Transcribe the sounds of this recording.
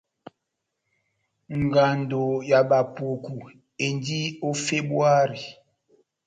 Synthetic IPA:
ŋ˨ɡa˨ndo˨ja˨ɓa˨pu˨ku˨ | e˨ndi˦o˦fe˦bwa˦ɾi˨

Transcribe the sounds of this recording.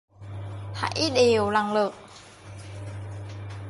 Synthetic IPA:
ha̰˧˨˦jɗe˨˩wla˨˩ŋlɨ˨˩k̚

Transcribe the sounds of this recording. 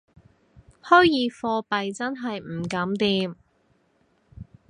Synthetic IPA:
hɔː˥jjiː˨˥fɔː˧pɐ˨jt͡sɐ˥nɦɐ˨jm̩˨˩kɐ˨˥mt̪iː˧m

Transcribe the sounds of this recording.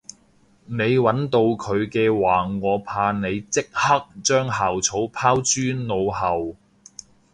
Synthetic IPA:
ne˨˧jwɐ˨˥nt̪o˧wkʰɵ˨˧ɥkɛː˧waː˨˩ŋɔː˨˧pʰaː˧ne˨˧jt͡sɪ˥k̚hɐ˥k̚t͡ʃœː˥ŋɦaː˨˩wt͡sʰo˨˥wpʰaː˥wt͡ʃyː˥nno˨˧whɐ˨w

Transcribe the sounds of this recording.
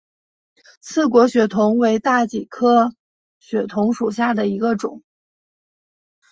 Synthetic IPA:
t͡sʰɹ̩˥˩k̬wɔ˧˥ɕɥɛ˧˥t̪ʰʊ˧˥ŋwe˧˥ɪt̪a˥˩t͡ɕi˨˩kʰɤ˥ | ɕɥɛ˨˩t̪ʰʊ˧˥ŋʂu˨˩ɕja˥˩d̪ə˩i˧˥ɡə˧ʈ͡ʂʊ˨˩˦ŋ

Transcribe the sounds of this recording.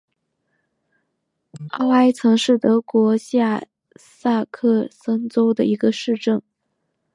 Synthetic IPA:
ɑ˥ʊa˥ɪt͡sʰɤ˧˥ŋʂɻ̩˥˩t̪ɤ˧˥kwɔ˧˥ɕja˥˩ | sa˥˧kʰɤ˥˩sə˥ŋt͡so˥ʊd̪ə̰˨ʔi˧˥ɡə˧ʂɻ̩˥˧ʈ͡ʂɤ˥˩ŋ

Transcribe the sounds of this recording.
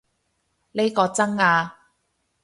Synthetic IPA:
le˥jkɔː˧t͡sɐ˥ŋaː˧

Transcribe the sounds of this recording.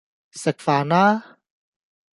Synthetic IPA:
sɛ˨k̚faː˨na˦

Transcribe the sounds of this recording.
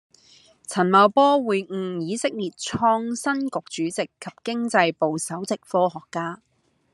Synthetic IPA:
t͡sʰɐ˨˩nmɐ˨˧wpɔː˥wuː˨˧jŋ̩˧˩jiː˨˧sɪ˥k̚liː˨˩t̚t͡sʰɔː˧ŋsɐ˥nkʊ˨k̚t͡ʃyː˨˥t͡sɪ˨kʰːɐ˨˩p̚kɪ˥ŋt͡sɐ˧jpo˨˧wsɐ˨˥wt͡sɪ˨k̚fɔː˥ɦɔː˨kːaː˥

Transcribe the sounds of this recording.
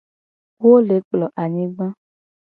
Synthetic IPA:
wo˦le˨˦k͡plɔ˨ʔa˨ɲĩ˦ɡ͡bã˦

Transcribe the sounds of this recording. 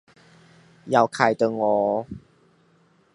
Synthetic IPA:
ja˨˩wkʰa˨˩jt̪ə˧ŋɔ˨˦

